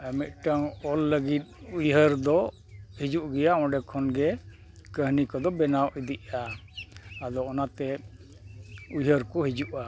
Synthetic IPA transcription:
əmɛt̪̚ʈaŋɔlːəɡit̪̚ujɦəɾd̪ɔ | hid͡ʒuʔɡɛjaɔ̃ɖɛkʰɔnɡɛ | kəɦnikɔd̪ɔbɛnawʔid̪iʔaː | d̪ɔɔnat̪ɛ | ujɦəɾkɔɦid͡ʒuʔa

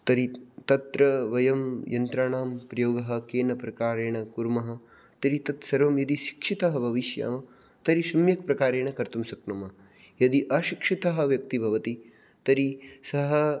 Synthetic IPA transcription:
t̪ɐɾit̪ɐt̪ɾɐʋɐjɐmjɐnt̪ɾaːɳaːmpɾɐjoːɡɐɦɐ̆keːnɐpɾɐkaːɾeːɳɐkuɾmɐɦɐ̆ | t̪ɐɾit̪ɐt̪sɐɾʋɐmjɐd̪iʃi̥kʂit̪ɐɦɐbʱɐʋiʃja̰ːmɐ | t̪ɐɾiʃɐmjɐk̚pɾɐkaːɾeːɳɐkɐɾt̪umsɐknɐmɐ | jɐd̪iʔɐʃikʂit̪ɐɦɐ̆ʋjɐk̚t̪ibʱɐʋɐt̪i | t̪ɐɾisɐɦɐ

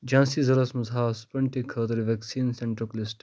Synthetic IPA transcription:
d͡ʒãːnsizɐɾɐsmɐzaːsu̥pɾɐɳʈikʰːəːt̪ɐɾʋeksiːnsẽɳʈɾoklisʈ

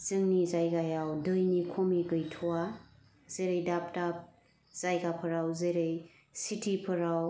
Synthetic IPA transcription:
zɯŋnizajɡajawdɯjnikʰomiɡɯjtʰuwa | zejɾɯjdap̚dap̚ | z̥ajɡapʰɯɾawzɯɾɯj | sitʰipʰɯɾaw

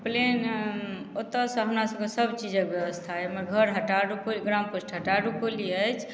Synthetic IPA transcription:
plen | ot̪əsɔ̃ɦəmɾasəbkesəbt͡ʃid͡ʒəkbjəbəst̪ʰaɦɛməɾɡʱəɾɦəʈaɖukoliɡɾamposʈɦəʈaɾukoliəjt͡ʃʰ

